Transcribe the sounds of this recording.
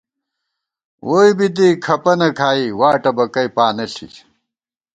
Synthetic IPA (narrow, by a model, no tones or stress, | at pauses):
woːibit̪̬ikʰɐpɐnɐkʰaːiwaːʈɐbɐkɐjpaːnɐɬḭ